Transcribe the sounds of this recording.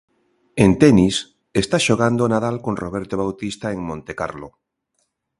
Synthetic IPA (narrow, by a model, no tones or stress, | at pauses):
ent̪ɛnis | est̪aʃoɣand̪onaðalkonroβ̞eɾt̪oβawt̪ist̪aeŋmõnt̪eka̰ɾlo